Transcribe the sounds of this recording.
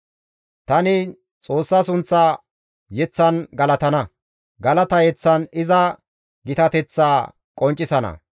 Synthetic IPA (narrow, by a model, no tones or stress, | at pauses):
t̪ɐnɪ | t͡sʼo̞ːsːɐsʊnt͡sːaː | jɛt͡sːɐnɡɐlɐt̪ɐnɐ | ɡɐlɐt̪ɐjɛt͡sːɐnɪzɐ | ɡɪt̪ɐt̪ɛt͡sːaː | kʼɔnt͡ʃʼːɪsɐnɐ̰